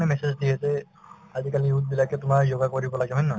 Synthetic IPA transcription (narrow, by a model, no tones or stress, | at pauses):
nɛmɛsezdiɛtɛ | azikaliut̚bilakɛtʊmaɹzoɡakoɹibɔlaɡɛmʱɔjnːɔ